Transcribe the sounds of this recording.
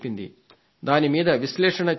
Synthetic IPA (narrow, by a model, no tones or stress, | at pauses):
pːind̪ḭ | d̪aːnimiːd̪ɐʋiʃlɛːʂɐɳɐt͡ʃ